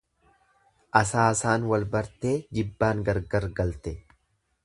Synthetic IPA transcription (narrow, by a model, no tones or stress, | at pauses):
ʔɐsaːsaːnwɐlbɐɾt̪e̞ːd͡ʒɪbːaːŋɡɐɾɡɐɾɡɐlt̪ɛ